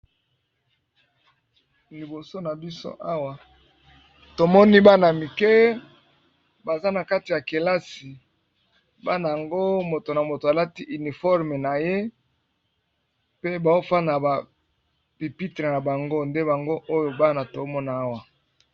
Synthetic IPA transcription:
li˨bo˨so˦na˨bi˦so̰˦ʔa˦wa˨ | to˨mɔ˦ni˦ba˦na˨mi˨kɛ˦ | ba˨za˦na˨ka˦ti˨ja˨ke˨la˦si˨ | ba˦na˨ja˨ŋɡo˦mo˨to˨na˨mo˨to˨a˨la˦ti˦ʔi˨ni˨fɔ˦ʁme˨na˨je˦ | pe˦ba˨o˦fa˦na˨ba˨ | pi˨pi˦tʁe˨na˨ba˨ŋɡo˦nde˦ba˨ŋɡo˦ʔo˦jo˨ba˦na˨to˨˦mɔ˦na˨a˦wa˨

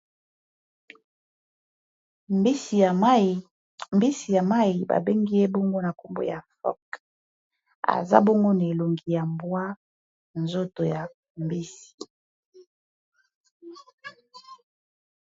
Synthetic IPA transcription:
mbi˦si˨ja˨ma˦i˨ba̰˨be˦ŋɡi˦je˦bɔ˦ŋɡo˦na˨ko˨mbo̰˦ja˨fɔ̰˦k | a̰˨za̰˦bɔ˦ŋɡo˦na˨e˨lo˨ŋɡi˨ja˨mbwa˦ | nzo˦to˨ja˨ | mbi˦si̥˨

